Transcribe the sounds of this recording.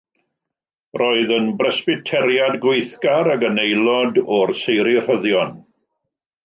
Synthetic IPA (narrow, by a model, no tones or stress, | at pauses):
roːɨðənbrəspɪtʰɛɾjadɡweɨθɡaɾaɡənejlˠɔdɔrsejɾir̥əðjɔn